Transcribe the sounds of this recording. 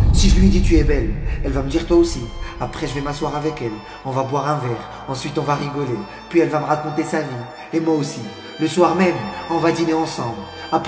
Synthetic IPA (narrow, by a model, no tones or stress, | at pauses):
siʒəlɥed̪it̪̬yɛbɛlɛlvaməd̪iʁt̪waosiapχɛʒəvɛmaswaʁavɛkɛl | ɔ̃vabwaʁɛ̃vɛʁ | ɑ̃sɥit̪ɔ̃vaʁiɡɔle | pɥiɛlvaməʁakɔ̃t̪esavi | emwaosi | ləswaʁmɛmɑ̃vad̪ineɑ̃sɑ̃bl | ap